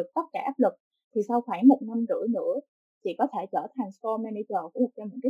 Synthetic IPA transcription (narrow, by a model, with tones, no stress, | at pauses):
ɨ˨˩k̚t̪ə˦˥t̚kaː˧˩ʔaː˦˥p̚lɨ˨˩k̚ | t̪ʰi˨˩sa˧wxwaː˧˩ŋmo˨˩t̚na˧mkɨ̰˧˥ənɨ̰˧˥ə | t͡ɕḭ˧˨kɔ˨˦t̪ʰe˧˩t͡ɕəː˧˩t̪ʰa˨˩ŋ̟sfɔ˧mɛː˧ni˧t͡ɕəː˨˩u˧˩˦t͡ɕɔ˧mo˨˩n̚kaː˨˦